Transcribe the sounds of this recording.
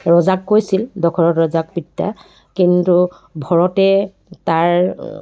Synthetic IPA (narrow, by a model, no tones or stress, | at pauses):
ɹɔzakːojsildɔkʰɔɹɔtɹɔzak̚pitːa̰ | kintu | bʱɔɹɔtɛ | taɹ